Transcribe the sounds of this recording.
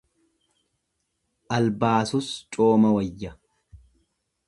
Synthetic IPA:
ʔɐlbaːsʊst͡ʃʼoːmɐwɐjːɐ

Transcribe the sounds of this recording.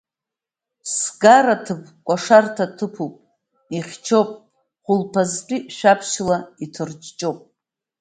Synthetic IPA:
sɡaɾatʰɨbkʷʼaʂartʰatʰɨpʰupʼ | iχʲt͡ʃʰopʼ | χʷʊlpʰazqʲʼiʃᶣapʰʃlaitʰɨrd͡ʒt͡ʃʼowpʼ

